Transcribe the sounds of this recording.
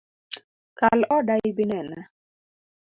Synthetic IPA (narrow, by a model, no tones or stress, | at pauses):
kalɔdaɪbinɛna